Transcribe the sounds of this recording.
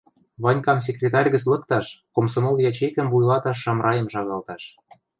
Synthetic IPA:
βɑnʲkɑms̬ʲekrʲet̪ɑrʲɣə̆t͡slɤ̆kt̪ɑʃkomsomoljɑt͡ɕekə̆mvujlˠɑt̪ɑʃːɑmrʔɑjə̆mʃɑɣɑlt̪ɑʃ

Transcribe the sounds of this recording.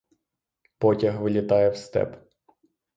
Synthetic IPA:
pɔtʲɐɦʋɪlʲɪt̪ɑjɛwst̪ɛ̰p

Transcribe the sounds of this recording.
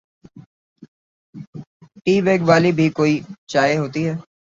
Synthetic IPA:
ʈiːʋeːɡʋaːlibʱikoːit͡ʃaːeɦoːt̪iɦɛː

